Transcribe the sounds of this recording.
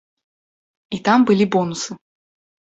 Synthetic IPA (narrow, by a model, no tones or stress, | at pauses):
it̪ambɨlʲibɔnusɨ